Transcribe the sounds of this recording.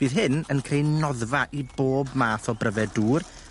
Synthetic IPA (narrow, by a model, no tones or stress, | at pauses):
b̥iːðɦɪnənkʰrejnnɔðvaʔiboːbmaːθɔbrəvɛduːr